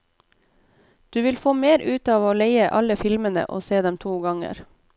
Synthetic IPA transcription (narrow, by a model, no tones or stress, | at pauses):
d̪̥ʉːʋɪlfoːmeːɾʔʉːt̪ɑːʋoːleɪəʔɑləfɪlmənə̰ʔo̰ːseːd̪ɛmt̪ʰuːɡɑŋə̰ɾ